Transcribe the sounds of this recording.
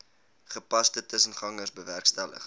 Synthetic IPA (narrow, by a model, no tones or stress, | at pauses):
χəpɐstətəsənχɐŋərsbəværkstælə̰χ